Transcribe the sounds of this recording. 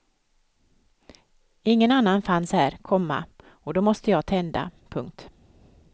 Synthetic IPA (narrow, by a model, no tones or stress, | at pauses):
ɪŋːənanːanfanshæːɾkʰɔmːa̰ | ɔd̪ɔmɔst̪əjɑːt̪ʰɛnd̪a̰pʰɵŋk̚t̪